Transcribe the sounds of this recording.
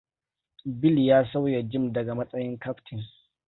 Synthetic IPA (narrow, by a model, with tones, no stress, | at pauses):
bɪ˦ljaː˦sa˦wja˨d͡ʒɪ˦˨mdɐ˨ɡa˨mɐ˦sʼɐ˦jɪ˦ŋkɐ˦ɸtʰɪ˨ŋ